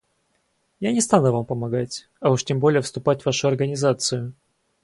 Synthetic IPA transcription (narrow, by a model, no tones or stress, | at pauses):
janʲɪst̪anʊvampəmɐɡatʲ | ɐuʂtʲembolʲɪjəfst̪ʊpatʲvaʂʊɐrɡənʲɪzat̪sɨjʊ